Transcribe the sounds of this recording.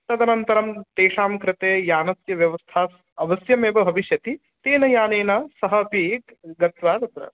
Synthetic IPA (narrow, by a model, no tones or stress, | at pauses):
t̪ɐd̪ɐnɐnt̪ɐɾɐmt̪eːʂaːmkɾɪt̪eːjaːnɐsjɐʋjɐʋɐst̪ʰaːs | ɐʋɐsjɐmeːbɐbʱɐʋiʃjɐt̪i | t̪eːnɐjaːneːnɐsɐɦɐpi | ɡɐt̪ʋaːd̪ɐt̪ɾɐ̰